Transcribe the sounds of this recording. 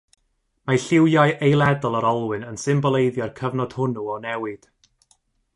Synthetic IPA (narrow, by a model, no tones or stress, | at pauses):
maɬɪwjajʔejlˠɛdɔlˠəɾɔlˠwɨnənsɪmbɔlˠejðjɔrkʰəvnɔd̥hʊnuɔnɛwɨd̥